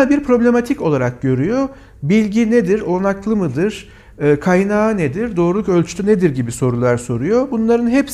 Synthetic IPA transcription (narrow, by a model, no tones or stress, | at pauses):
biɾpʰɾo̞blʲe̞mat̪ʰico̞lˠaɾak̚ɟø̞ɾyjo̞ | bilʲɟined̪iɾo̞naklˠɯmɯd̪ɯɾ̥ | ɯːkʰajnaːɯned̪iɾd̪o̞ːɾulˠukølʲt͡ʃʰy̥t̪ʰʲyned̪iɾɟibiso̞ɾulˠaɾso̞ɾujo̞bunlˠaɾɯnɦɛps